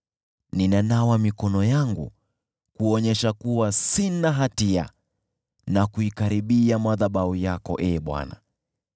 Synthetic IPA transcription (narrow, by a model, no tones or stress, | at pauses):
ninanawamikɔnɔjaŋɡṵ | kuɔɲɛʃakuwasinaɦatia̰ | nakuikaɾiɓiamaðaɓaujakɔ̰ʔɛːɓwa̰na̰